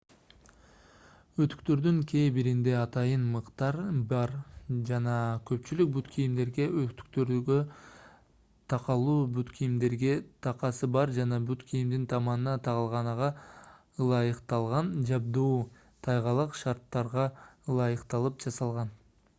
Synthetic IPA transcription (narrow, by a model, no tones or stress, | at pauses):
øt̪y̥k̚t̪ø̞ɾd̪yŋkʲʰe̞jbiɾind̪e̞ɑt̪ɑjənmɯqt̪ɑɾbɑɾd͡ʒɑnɑkʲʰɵpt͡ʃylyk̚byt̪kʲʰijimd̪e̞ɾɡe̞øt̪y̥k̚t̪øɾɡø | t̪ʰɑqɑlˠuːbyt̪kʲʰijimd̪e̞ɾɡʲe̞t̪ʰɑqɑsɯbɑɾd͡ʒɑnɑbyt̪kʲʰijimd̪int̪ʰɑmɑnənɑt̪ʰɑʁɑlˠʁɑnɑʁɑ | lˠɑjəqt̪ɑlˠʁɑnd͡ʒɑb̚d̪uː | t̪ʰɑjʁɑlˠəqʃɑɾt̪ːɑɾʁɑlˠɑjəqt̪ɑlˠɯp̚d͡ʒɑsɑlˠʁɑn